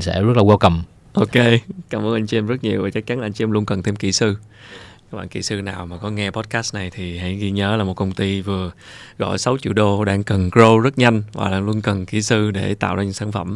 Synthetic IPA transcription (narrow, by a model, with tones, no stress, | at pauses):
nsɛ̰˧˥zə˦˥t̚laː˨˩wa˧wkə˨˩m | ʔo˧ke˧kaː˨˩mɨ˨˧nʔa˧jŋ̟t͡ɕi˧mzə˦˥t̚ɲi˨˩əwvaː˨˩t͡ɕə˦˥k̚t͡ɕa˨˦nʔːjŋt͡ɕi˧mlu˧ənkə˨˩nt̪ʰe˧mkḭ˧˩sɨ˧ | ka˦˥kɓa̰ː˧˨ŋkḭ˧˩sɨ˧naː˨˩wmaː˨˩kɔ˨˦ŋɛ˧pɔ˦˥t̚kaː˦˥st̚na˨˩jt̪ʰi˨˩ha̰˧˥jɣi˧ɲəː˨˦laː˨˩mo˨˩t̚kə˧wŋ͡mt̪i˧vɨ˨˩əɣɔ̰˧˨jsa˨˦wt͡ɕḭ˧˨ɗo˧ɗaː˧ŋkə˨˩nkzo˧zə˦˥t̚ɲa˧jŋ̟va̰ː˨˩ɗaː˧ŋlu˧ənkə˨˩nkḭ˧˩sɨ˧ɗe˧˩t̪a̰ː˧˨wzaː˧ɲɨ̰˧˥ŋsaː˧˩nfə̰˧˩m